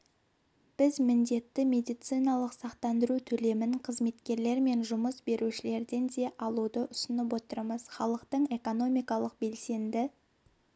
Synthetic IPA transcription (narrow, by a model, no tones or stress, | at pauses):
b̥ɪzmɪnd̪e̞t̪ːɪmʲe̞d̪ijt̪sijnɑlˠəqsɑqt̪ɑnd̪əɾut̪ʰɵle̞mɪŋqʰəzme̞t̪kʲe̞ɾle̞ɾme̞nʒʊməsbe̞ɾʔuʃɪle̞ɾd̪e̞nd̪e̞ʔɑlˠud̪əʔʊsənəp̬wo̞t̪əɾməz̥χɑlˠəqt̪əɴe̞ko̞no̞mijkɑlˠəq̚be̞lse̞nd̪ɪ